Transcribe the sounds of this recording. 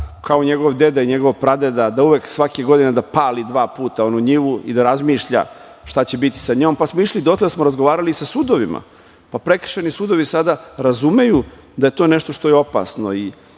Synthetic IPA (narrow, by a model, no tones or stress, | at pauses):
kʰaoɲe̞ɡo̞ʋd̪e̞d̪aiɲe̞ɡoʋopɾad̪ed̪ad̪auʋeksʋakeɡo̞d̪ined̪apaːlid̪ʋaːpuːt̪aonuɲiʋuḭd̪aɾazmiːʃʎa̰ | ʃt̪at͡ɕebit̪i̥saɲo̞ːmpasmoiʂlid̪ot̪lesmoɾazɡoʋaːɾalisasud̪o̞ʋima̰ | papɾe̞kr̥̩ʃenisuːd̪o̞ʋisad̪aɾazume̞ju | d̪aje̞t̪o̞ːneʃt̪oʃt̪o̞jeo̞pa̰sno̞̰i